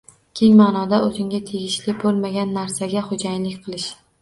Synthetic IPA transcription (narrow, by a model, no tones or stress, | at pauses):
kʲʰe̞ŋmaːnɒd̪aozɪŋɡʲat̪ʰe̞ɡʲɪʃlɪbolˠmaɡʲanːaɾsaɡʲaχod͡ʒajlɪkʲqʰɨlˠɪʃ